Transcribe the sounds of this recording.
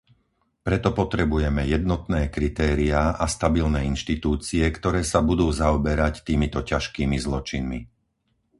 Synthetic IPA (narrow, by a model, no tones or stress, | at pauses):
pɾɛt̪ɔpɔt̪ɾɛbujɛmɛjɛd̪nɔt̪nɛːkɾit̪ɛːɾiaʔast̪abilnɛːinʃt̪it̪uːt͡siɛkt̪ɔɾɛːsabud̪uːzaɔbɛɾact̪iːmit̪ɔcaʃkiːmizlɔt͡ʃinmi